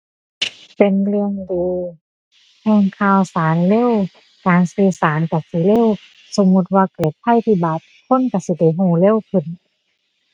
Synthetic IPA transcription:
pe˨nlɯ˧əŋduː˧ | hɛː˧ŋkʰaː˧˩˨wsaː˨˦nle˧˥˨w | kaː˨nsɯː˧˦saː˨˦nka˧˩si˧˦le˧˥˨w | so˨˦mːu˧˥t̪̚waː˧kle˧˩t̪̚pʰːa˧˨jt̪ʰiː˧˩baː˨˩˦t̪̚kʰo˧˥˨nka˧˩si˧˦da˧˩jɦuː˧˩le˧˥˨wkʰɯ˧˩n

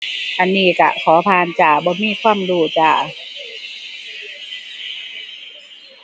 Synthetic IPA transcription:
ʔa˧˨nːiː˧˩˨ka̰˧˩kʰɔː˩˦pʰaː˧˨nt͡ɕaː˧˩bɔː˧˦miː˧˥˨kʰwaː˧˥˨mduː˧˩t͡ɕaː˧˩

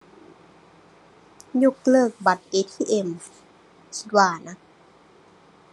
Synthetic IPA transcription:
ju˦˥˩k̚lɤː˥˩k̚ba˨˩t̪̚ʔeː˧t̪ʰiː˥˩ʔe˧˩m | kʰi̥˦˥t̪̚waː˥˩na˦˥

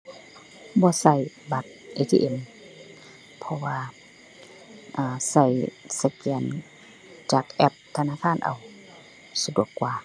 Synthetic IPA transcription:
bɔː˧˦sa˧˩j | ba˧t̪̚ʔeː˧t̪ʰḭː˧ʔe˧˨m | pʰɔ˧waː˧ | ʔaː˧˩sa˧˩jsa˧kɛː˨˧˩n | t͡ɕaː˨˧˩k̚ʔɛ˧p̚t̪ʰa˧naː˧˨kʰaː˧˥˨nʔa̰˨w | sa˧du˧˨˩əkːwaː˧

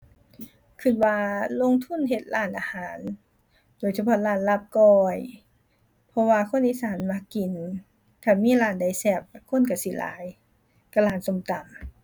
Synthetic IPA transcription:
kʰɯ˧t̪̚waː˧lo˧˨ŋt̪ʰu˧˥˨nɦe˧t̪̚laː˧˩˨nʔa˧haː˨˦n | doː˨jsa˧pʰɔ˧˥laː˧˩nla˧˥˨p̚kɔː˧˩j | pʰɔ˧waː˧kʰo˧˥˨nʔiː˧˥˨saː˨˦nma˧˥kkːi˨˩n | kʰa˧˩miː˧˥˨laː˧˩nda˧˨jsɛː˧˩p̚kʰo˧˥˨nka˧˩si˧˦la̰ː˨˦j | ka˧˩laː˧˩nso˧˨mt̪a˨˩m

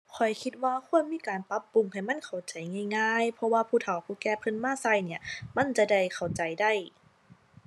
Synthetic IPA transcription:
kʰɔ˨˩jkʰi˧t̪̚waː˧kʰu˧˥˨ənmiː˧˥˨kaː˨˩npa˧˦˥pːu˨˧˦ŋha˧˨˩jma˧˥˨nkʰa˨˩wt͡ɕa˨˩jŋaː˧˥˩jŋaː˧˩jpʰɔ˧waː˧pʰuː˧˩t̪ʰa˨˩wpʰuː˧˩kɛː˧˩pʰɯ˧˥˨nmaː˧˥˨sa˧˩jni˧˩ɐma˧˥˨nt͡ɕa˧da˧˩jkʰa˨˩wt͡ɕa˨˩jda˧˥˩j

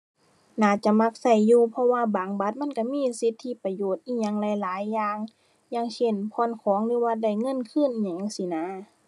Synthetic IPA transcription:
naː˨˧˩t͡ɕa˧˦ma˧˥k̚sa˧˩jːuː˧˩pʰɔ˧waː˧˨baː˨˩ŋba˧˦t̪̚ma˧˥˨nka˧˩miː˧˥˨si˧˦t̪ʰːi˧˨pa˧joː˧˨˩t̪̚ʔiː˧˩ɲa˧˨ŋlɛ˧˦laː˨˦jːaː˧ŋ | ɲaː˧˥˨ŋse˧˩˨npʰɔː˧˥˨nkʰɔː˨˦ŋlɯː˧˦waː˧da˧˩jŋɤ˧˥˨nkʰɯ˧˥˨nʔɲa˧˨ŋa˧˩si˧˨naː˧˥˨

